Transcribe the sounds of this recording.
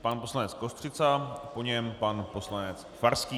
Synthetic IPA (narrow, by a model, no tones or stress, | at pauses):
panposlanɛt͡skost̪r̥ɪt͡sapo̞ɲɛmpanpo̞slanɛt͡s | faɾskiː